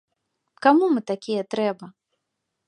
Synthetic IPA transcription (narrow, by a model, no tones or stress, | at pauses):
kamumɨt̪akʲijɛt̪ɾɛbɐ